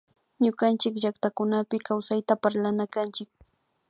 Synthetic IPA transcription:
ɲʊɢant͡ʃɪkʒakt̪akʊnapɪkawsajt̪apaɾlanakant͡ʃɪk̚

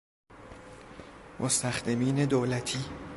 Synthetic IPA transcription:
mʔost̪ʰæxd̪emiːne̞d̪oːlæt̪ʰiː

